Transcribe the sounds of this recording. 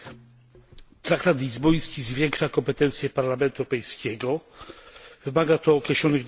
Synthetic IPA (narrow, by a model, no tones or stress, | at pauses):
t̪ɾak̚t̪at̪lʲizbɔj̃skʲizvʲjɛŋkʂakɔmpɛt̪ɛnt̪sʲjɛpaɾlamɛnt̪uɛwɾɔpɛjskʲɛɡɔ | vɘmaɡat̪ɔːkɾɛɕlɔnɘɣ